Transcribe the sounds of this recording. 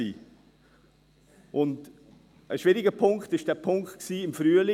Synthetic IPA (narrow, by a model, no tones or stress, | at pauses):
iː | ʔʊnd | əʃʋɪɾɪɡəpʰʊŋkχtɪʃd̥æːpʰʊŋktksiːɪmfɾyəli